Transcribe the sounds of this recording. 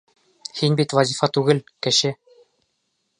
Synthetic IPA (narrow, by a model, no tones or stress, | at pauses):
hinbit̪vɐzʲifɑt̪ʉɡɘlkɘ̆ɕɘ